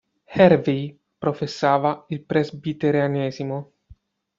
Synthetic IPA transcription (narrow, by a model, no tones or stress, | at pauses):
hɛɾvij | pɾofesːaːvailpɾezbit̪eɾjanɛːzimo